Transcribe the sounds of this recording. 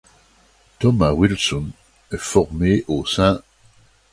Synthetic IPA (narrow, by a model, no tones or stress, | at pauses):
t̪ɔmawilsɔn | ɛfɔʁmeʔosɛ̃